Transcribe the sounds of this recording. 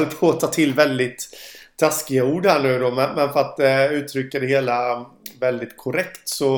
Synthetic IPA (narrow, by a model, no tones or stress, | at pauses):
lpʰoːt̪ʰɑːt̪ʰɪlːvɛld̪ɪt̪ʰː | askɪɡauːɖhæɳʉ̟ːd̪ɔmɛnmɛnfœɾat̪̚d̪ɛʉ̟ːt̪ʰɾʏkːad̪ɛheːla | vɛld̪ɪt̪kʰʊɾɛkt̪sɔ